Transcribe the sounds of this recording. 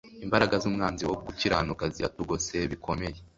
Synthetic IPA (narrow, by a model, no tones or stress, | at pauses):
imbaɾaɡazumŋaːnziwouɡuciɾanukazia̰tuɡo̞se̞βikʰo̞me̞je